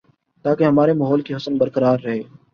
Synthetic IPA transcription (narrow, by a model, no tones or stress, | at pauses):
t̪aːkeɦəmaːɾeːməɦɔːlkiːɦəsənbəɾkəɾaːɾːəɦeː